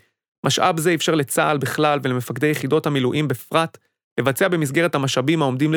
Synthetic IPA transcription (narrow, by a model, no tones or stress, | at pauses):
mʔaʃʔa̰bzeːfʃaʁle̞t͡sa̰ːlbiχlalve̞lemefakd̪ejeχido̞thamiluʔimbefʁat | le̞vat͡seabemis̬ɡeʁethamaʃabimhao̞md̪iml